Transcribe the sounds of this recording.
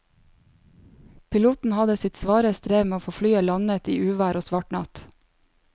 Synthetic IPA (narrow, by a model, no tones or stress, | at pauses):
pʰɪluːt̪n̩hɑd̪əsɪt̪sʋɑːɾəst̪ɾeːmeːoːfoːflyːəlɑnət̪iːʔʉːʋæːɾoːsʋɑʈɳɑt̪